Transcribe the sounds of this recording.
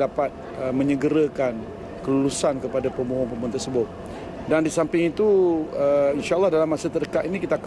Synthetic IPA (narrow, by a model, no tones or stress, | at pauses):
apat̪̚ | əmə̃ɲəɡəɾəkan | kəlulusankəpadapəmuɦʊŋpəmũnt̪ərsəbʊt̪̚ | dandisampɪŋit̪uəinʃaəlːɑhdalamːasət̪ərdəkaʔ̪inikit̪aːk